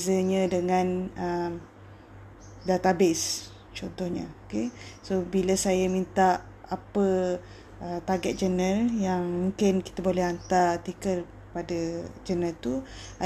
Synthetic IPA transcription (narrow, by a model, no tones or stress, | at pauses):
zəɲədəŋãnəm | dat̪abes | t͡ʃɔnt̪ɔhɲəokesobiləsajəmint̪aʔ | apə | ʔət̪aɡɛt̪̚d͡ʒənəljaŋmũŋkɪnki̥t̪abolɛhant̪art̪ikəl | əpadəd͡ʒənəlt̪u | a